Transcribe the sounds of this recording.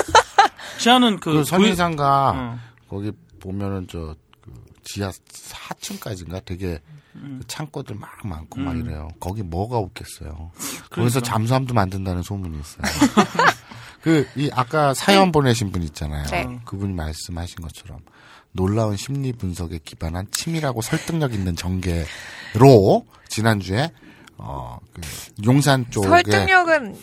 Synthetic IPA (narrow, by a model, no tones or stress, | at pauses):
t͡ɕianɯnkɯɯsʰʌɲiŋsʰaŋɡa | kʌɡi | pomjʌnɯnt͡ɕʌ | kɯ̰ | t͡ɕiahat͡ɕʰɯnk͈ad͡ʑinɡatwe̞ɡe̞kɯt͡ɕʰaŋk͈odɯɭmaŋma̰nkʰomaɡiɾḛjokʌɡimʌɡaok͈ʰe̞s͈ʌ̰jo̰kɡis̬ʰʌt͡ɕams̬ʰuamdomandɯndanɯnsʰomuɲiːs͈ʌjo | kɯiʔak͈asʰajʌnbone̞ɕʰinbuɲiːt̚t͡ɕ͈anajo̰kɯbuɲimaɭs͈ɯmhaɕʰinɡʌt͡ɕʰʌɾʌ̰m | noɭːaunɕʰimɲipunsʰʌɡe̞kibanɦant͡ɕʰimiɾaɡosʰʌɭt͈ɯŋɲʌɡinːɯnt͡ɕʌŋɡe̞ɾo | t͡ɕinand͡ʑue̞ | ʌ̰kɯjoŋs̬ʰant͡ɕ͈oɡeŋɲʌɡɯn